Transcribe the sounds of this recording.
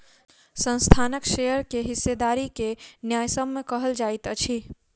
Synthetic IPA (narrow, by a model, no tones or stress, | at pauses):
sə̃nst̪ʰanəkʃejəɾkeɦɪsːed̪aɾikenjajsəbmekəɦəld͡ʒait̪ət͡ʃʰi